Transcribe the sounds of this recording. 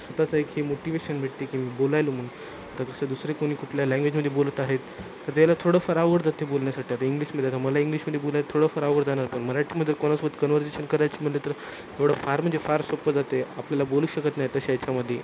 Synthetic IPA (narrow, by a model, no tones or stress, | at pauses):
sʋət̪at͡saekhemoʈiʋeɕənbʱeʈt̪ekiːmiːbolajlomən | at̪akəsad̪usɾekoɽ̃iːkuʈʰljalæ̃ŋɡʋed͡ʑməd̪ʱːjebolət̪aɦet̪ː | əɾt̪jalat̪ʰoɽəfaɾaʋɡəɽd͡zat̪ebolɳjasaʈiːat̪əiŋɡliːɕməd̪ʱjeat̪aməlaiŋɡliɕməd̪ʱjebolajlat̪ʰoɽəfəɾaʋɡəɾd͡zanaɾpəɳməɾaʈʰiːməd̪ʱːjeɾkoɽ̃asbət̪kənʋəɾd͡ʑeɕənkəɾajt͡ɕiːm̤əɽlet̪əɾ | ɦeʋɽəfaɾm̤əɳd͡zefaɾsəpəd͡zat̪eapljalaboluːɕəkət̪najet̪əɕat͡ɕaməd̪ʱːje